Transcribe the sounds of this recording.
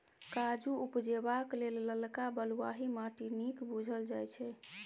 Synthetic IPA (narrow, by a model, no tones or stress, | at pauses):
kad͡ʒuupd͡ʒebaklelːəlkabəlwaɦimaʈinikbud͡ʒʱəld͡ʒajt͡ʃʰɛ